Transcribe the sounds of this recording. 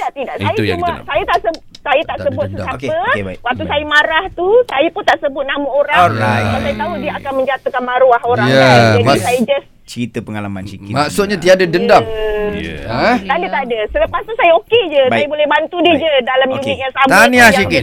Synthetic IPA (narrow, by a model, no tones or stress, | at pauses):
daʔt̪idaʔsajaumasajat̪aʔsə | sajat̪aʔsəbuat̪̚səsaokeəebaiwak̚t̪usajamaɾaht̪usajapʊnt̪aʔsəbʊt̪̚namuoɾabasajat̪audiəakanmə̃ɲd͡ʒat̪əkanmaɾuaɦoɾaŋŋaaasajad͡ʒas | t͡ʃəɾit̪əpəŋalama̰nt͡ʃikɪmaksʊt̪̚ɲat̪iadadənda | ət̪adət̪adasələpast̪usajaoked͡ʒəsajabolɛhbant̪udəd͡ʒədalamjunɪk̪̚jaŋsamaniajikɪ